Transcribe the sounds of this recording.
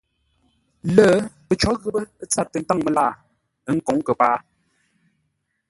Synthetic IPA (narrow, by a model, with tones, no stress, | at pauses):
ləː˦pə˨t͡ʃɔ˨˦ɣə˦bə˦t͡sa˦˨tːə˨n̩˦ta˦˨ŋmə˨la˦˨ | ə˦ŋ̩˨ko˨˦ŋkə˨paː˦